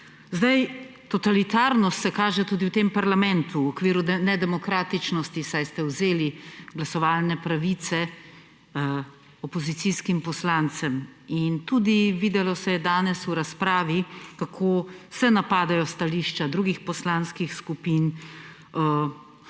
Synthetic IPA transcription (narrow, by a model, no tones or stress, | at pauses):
zd̪ajt̪ɔt̪alit̪aːɾnɔst̪sɛkaːʒɛt̪uːd̪iwt̪empaɾlamɛnt̪uɔkʋiːɾunɛd̪ɛmɔkɾaːt̪it͡ʃnɔst̪isajst̪ɛwzeːliɡlasɔʋaːlnɛpɾaʋiːt̪sɛ | ɔpɔzit̪siːskimpɔslant̪sɛmint̪uːd̪iʋiːd̪ɛlɔsɛjɛd̪aːnɛsuɾaspɾaːʋikakʰosɛnapaːd̪ajɔst̪aliːʃt͡ʃad̪ɾuːɡixpɔslanskixskupin